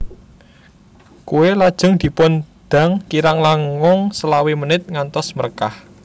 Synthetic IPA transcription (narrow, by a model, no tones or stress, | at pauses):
kuwelad̥ʒ̥ʊ̤ŋd̪̥i̤pʊnd̪̥a̤ŋkiɾaŋlaŋɔŋsəlawemənɪt̪̚ŋant̪ɔsmə̰rkah